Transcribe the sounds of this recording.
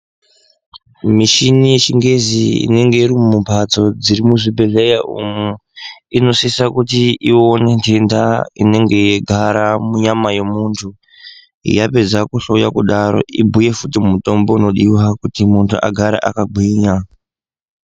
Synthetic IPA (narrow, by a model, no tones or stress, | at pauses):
miʃinijeʃiŋɡe̞ziḭne̞ŋɡe̞iɾimumupat͡so̞d͡ziɾimuʐibʱe̞ɮejaʔṵmuino̞sisakutiione̞ndendaine̞ŋɡe̞jeɡʱaɾamuɲamajemuntʰu | jape̞d͡zakuɬoja̰kuɗaɾo̞̰ʔibʱuje̞futimuto̞mbo̞uno̞ɗiwakutimuntʰuʔa̰ɡʱaɾa̰ʔa̰kaɡʱwiːɲa